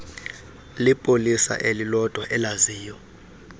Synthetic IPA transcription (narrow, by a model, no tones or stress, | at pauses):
lipʼolisa̰ʔelilɔd̥ʱwɔʔɛlaziːjɔ